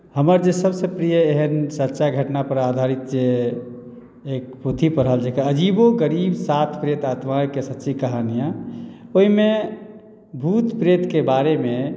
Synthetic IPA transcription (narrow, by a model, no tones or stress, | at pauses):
həməɾd͡ʒesəbsẽpɾijəeɦənsətːʃaɡʱəʈnapəɾad̪ʱaɾit̪̚d͡ʒe | ek̚pot̪ʰipəɾɦəld͡ʒekaəd͡ʒiboɡəɾibsat̪ʰpɾet̪at̪majkesətːt͡ʃikəɦanijaoɦime | bʱut̪pɾet̪kebaɾeme